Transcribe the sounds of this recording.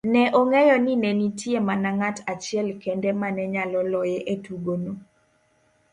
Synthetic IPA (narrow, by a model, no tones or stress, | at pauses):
nɛʔoŋɛjɔninɛnitjemanaŋatat͡ʃɪɛlkɛndɛmanɛɲalɔlɔjɛʔetuɡono